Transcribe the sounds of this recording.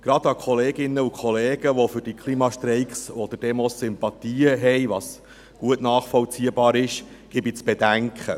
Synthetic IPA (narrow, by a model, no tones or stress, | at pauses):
ɡ̥ɾɑd̪ɑkʰɔleːɡɪnːəukʰɔleːɡ̥əʋofʏɾd̥ikʰlimɑʃtɾɛɪkχsɔd̥̪əd̥ɛmɔsːʏmpɑt̪iːəɦɛjʋɑs | ɡ̥uətnɑːχfɔlt͡siːəbɑːɾɪʃ | ɡ̥ɪbit͡sb̥ɛdæŋkχə